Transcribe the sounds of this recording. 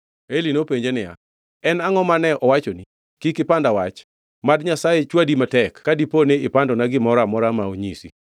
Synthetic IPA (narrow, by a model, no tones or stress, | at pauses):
elinopeɲd͡ʒenɪja̰ | ɛnaŋɔmanɛʔɔwat͡ʃoni | kikɪpandawat͡ʃ | madɲasajet͡ʃwadimatɛkːadiponeɪpandɔnaɡɪmɔɾamɔɾamaoɲisi